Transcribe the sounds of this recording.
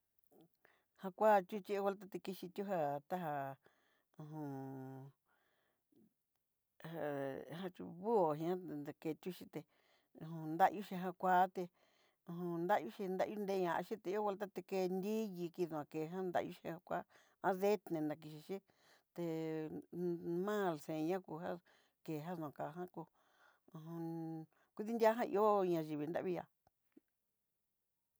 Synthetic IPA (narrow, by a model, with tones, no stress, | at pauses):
hã˧kʷa˦˧t̪ʲu˦t͡ʃi˦˧o˦˧we˧lt̪̬a˦t̪e˧ki˧ʃi˧t̪ʲu˦ɦa˧t̪a˦ɦa˧ | ũ˧ɦũ˧ | a˧ɦã˧t͡ʃṵ˧βu˦o˨ɦĩ˧ã˦˧na˧ke˧t̪ʲu˦ʃi˧t̪e˧ | ũ˧˨ũ˧nd̪a˦ʔju˦ʃi˧ɦã˧kʷa˦t̪e˧ | ũ˧ɦũ˧nd̪a˦ʔju˦ʃi˧nd̪a̰˦ʔju˦nd̪e˧˦ɲã˧ʔa̰˧ʃi˦t̪e˧i˦o˦βe˧lt̪̬a˦t̪e˧ke˧˦nd̪i˦ji˧ki˧ðũ˧˨ã˨ke˨˧ɦã˦nd̪a̰˧ju˦ʃi˧˦hã˧kʷa˦ | ã˧˦ðe˦t̪nẽ˧nã˨˧k̬i˧ʃi˧ʃi˦ | t̪e˧ | mã˦˨lsẽ˨˧ɲã˦ku˧ɦã˦ | ke˨ɦã˦ð̃ã˨ka˨ɦã˦kũ˧˨ | ũ˧ | kʷi˧ði˦nd̪ʲja˦ɦã˦˧ʔḭ˧˦o˦ɲã˧ʒi˨βi˧nd̪a̰˦βi˦˧ja̰˧˨